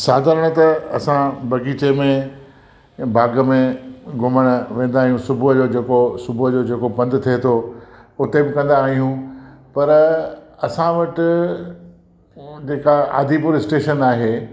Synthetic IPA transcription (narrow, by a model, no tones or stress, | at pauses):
saːd̪əɾəɽ̃ʊt̪ɐɐ̰sãbɐɡiːt͡ɕemẽ | bʱaːɡə̆mẽɡʊməɽ̃ʊʋẽːnd̪aːɦijũsʊbʱʊɦd͡ʑoːd͡ʑeːkosʊbʱʊɦd͡ʑoːd͡ʑeːkopɐ̃nd̪t̪ʰiet̪ʰoʊt̪ebɪkɐ̃nd̪aːɦijũpɐɾɐsãʋɐʈɪ̆ | d͡ʑeːkaa̰ːd̪ʱipʊɾɪsʈeːʃənaːɦeː